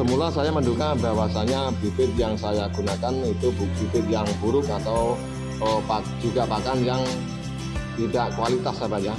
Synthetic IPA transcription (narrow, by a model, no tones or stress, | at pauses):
səmulasajaməndukabawasaɲabifɪt̪̚jaŋsajaɡ̥unakanit̪ubub̥ipɪt̪̚jaŋb̥uɾʊkat̪aw | əpa | d͡ʒuɡapakanjaŋ | t̪idaʔkualit̪asabaɲa